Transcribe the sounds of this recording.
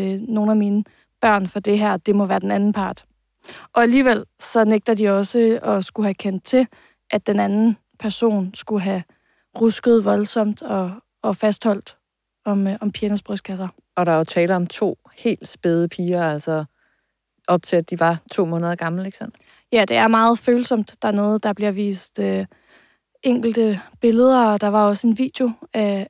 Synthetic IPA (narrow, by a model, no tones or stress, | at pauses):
no̝ːnæmiːnə | b̥ɶɐ̰nfɒ̽d̥e̝ɦæɐ̰d̥e̝mɒ̽ʋæːɐd̥enænn̩pʰɑ̈ːd̥ | ʔɒ̽æliːʋel̰sɒ̽neɡ̥̚d̥ɐd̥iɒ̽səɒ̽sɡ̥uhækʰen̰d̥̚t͡sʰe̝ | ʔæd̥enænn̩ | pʰæɐso̝̰ːnsɡ̥uɦæ | ʁusɡ̥əð̞̩ˠʋɒ̽lsɒ̽m̰d̥ɒ̽ː | fæsd̥hɒ̽l̰d̥ | ɒ̽mɒ̽mpʰjenəsb̥ʁœsd̥̚kʰæs̬ɐ | ɒ̽ɾ̥ɑ̈ot͡sʰɛːləɒ̽mt͡sʰo̝̰ː | he̝̰ːld̥sb̥eð̞ˠəpʰiːɐæl̰sɒ | ʔɒ̽b̥̚t͡sʰeæd̥iʋɑ̈t͡sʰo̝̰ːmɔ̽ːnəð̞ˠɐɡ̥ɑ̈ml̩eɡ̥sɒ̽n̰ | jæd̥e̝æɐmɑ̈ːð̞̩ˠføːlsɒ̽m̰d̥ːæɐneðˠd̥ɑ̈b̥liɐʋḭːsd̥ø | ʔeŋ̰ɡ̥l̩d̥əb̥e̝ləð̞ˠɐɒ̽d̥ɑ̈ʋɑ̈ɒ̽səe̝nʋḭːd̥jo̝æ